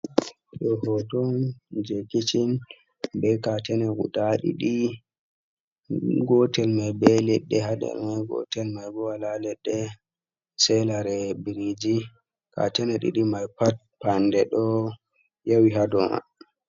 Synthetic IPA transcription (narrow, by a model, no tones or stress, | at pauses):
ɗɔhɔtɔnd͡ʒekit͡ʃin | bɛkatɛnɛɡṵɗaɗḭɗi | ɡɔtɛlmajbɛlɛɗːɛɦadɛ̰lmajɡɔ̰tɛlmajbɔwalalɛɗːɛ | sɛlaɾɛbiɾid͡ʒi | ka̰tɛnɛɗḭɗimajpat̚pandɛɗɔ | jawiɦadɔma̰